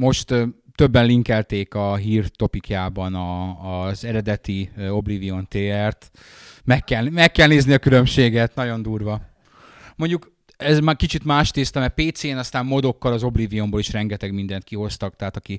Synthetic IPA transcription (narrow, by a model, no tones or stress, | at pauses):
mo̞ʃt̪t̪ø̞bːɛnliŋkɛlt̪eːkɒɦiːrt̪o̞pikjaːbɒnɒːzɛɾɛd̪ɛt̪io̞blivio̞nt̪eːɛrt̪ | mɛkːɛlmɛkːɛlneːzniɒkylø̞mʃeːɡɛt̪nɒɟo̞nd̪uːrʋɒ | mo̞ɲɟuk | ɛzmakit͡ʃit̪maːʃteːst̪ɒmɛpeːt̪seːnɒst̪aːmmo̞d̪o̞kːɒlɒzo̞blivijo̞mboːliʃrɛŋɡɛt̪ɛɡmind̪ɛnt̪̚kiɦo̞st̪ɒk̚t̪ɛɦaːt̪ɒki